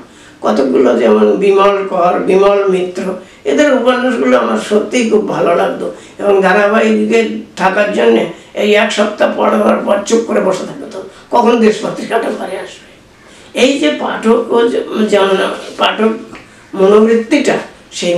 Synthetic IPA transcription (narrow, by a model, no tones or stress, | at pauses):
kɔt̪okɡulod͡ʒɛmonbimɔlkɔɾbimɔlmit̪ɾo | ḛd̪eɾupannuʃɡuloamaɾʃot̪ːikʰubːʱalolaɡd̪o | eboŋd̪ʱanabajket̪ʰakaɾd͡ʑonːeejɛkʃɔpt̪apɔ̰ɽabʱaɾpɔʈt͡ɕukkoɾeboʃet̪ʰak̚bet̪ʰa | kɔkʰonod̪eʃpat̪ːɾikʰaʈapaɾeaʃbe | ejd͡ʑepaʈʰokod͡ʒamnapaʈʰok | monobɾit̪ːiʈa | ʃe